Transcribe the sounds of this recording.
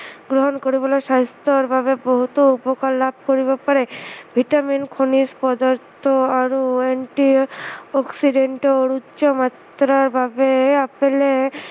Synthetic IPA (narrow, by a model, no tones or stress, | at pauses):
ɡɾoɦonkoɾibolaʃast̪oɾbʱabeboɦut̪oupokalːab̚ʱkoɾibapaɾebʱiʈaminkʰonispɔd̪aɾt̪ʰoaɾoeɳʈiɔksiɖeɳʈoɾutːʃomat̪ɾaɾbʱabeapele